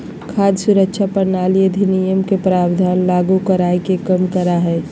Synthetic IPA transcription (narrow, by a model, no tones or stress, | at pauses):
kʰaːd̪suɾəkʃʰapəɾnaːlijed̪ʱinijəmkepɾaːbd̪ʱaːnlaɡukəɾaekekəmkəɾaɦɛː